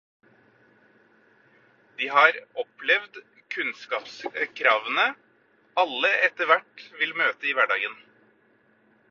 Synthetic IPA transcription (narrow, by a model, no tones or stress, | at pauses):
d̪̥iːhɑːɾɔplɛʋd̪ | kʰʉnskɑːpskʰɾɑːʋənə | ɑlːəɛt̪əʋæʈʋɪlmøːt̪əiːʋæɖɑ̰ːɡən